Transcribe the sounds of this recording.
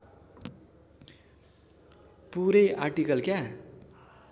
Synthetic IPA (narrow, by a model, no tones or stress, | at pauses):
puɾeʔarʈikʌlkja